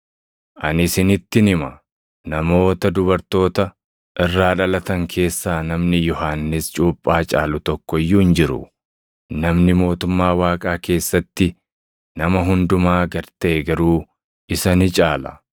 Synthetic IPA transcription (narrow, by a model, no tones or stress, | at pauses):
ʔɐ̰nɪsɪnɪt̪ːɪnɪmɐ | nɐmo̞ːt̪ɐd̪ʊbɐɾt̪o̞ːt̪ɐ | ʔɪrːaːᶑɐlɐt̪ɐŋkʰe̞ːsːaːnɐmnɪjɔɦaːnːɪst͡ʃʼuːpʼːaːt͡ʃʼaːlʊt̪ɔkːɔɪjːuːɪnd͡ʒɪɾʊ̰ | nɐmnɪmo̞ːt̪ʊmːaːwaːkʼaːke̞ːsːɐt̪ːɪ | nɐmɐɦʊnd̪ʊmaːɡɐɾt̪ɐʔɛɡɐɾuː | ɪsɐnɪt͡ʃʼaːlɐ̥̰